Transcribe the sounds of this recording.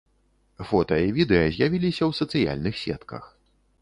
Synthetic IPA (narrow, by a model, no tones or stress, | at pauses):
fɔt̪ɐivʲid̪ɛɐzʲjavʲilʲisʲɐwsɐt̪sɨja̰lʲnɨxsʲɛ̰t̪kɐ̰x